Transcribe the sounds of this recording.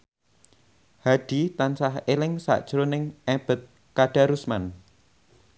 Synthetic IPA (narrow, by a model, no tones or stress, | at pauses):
haɖ̥it̪ansahelɪŋsa̰ʔd̥ʒ̥ɾonɪŋɛb̥ət̪̚ | kaɖ̥a̤ɾusman